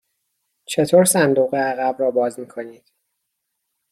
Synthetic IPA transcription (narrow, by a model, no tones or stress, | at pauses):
t͡ʃʰe̞t̪ʰoːɾsænd̪uːɣeæɣæbɾɒːbɒːzmiːkʰo̞niːd̪̥